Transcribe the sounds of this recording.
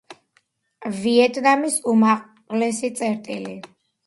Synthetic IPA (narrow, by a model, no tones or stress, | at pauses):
viɛt̪ʼnamisumaq | lɛsit̪sʼɛɾt̪ʼili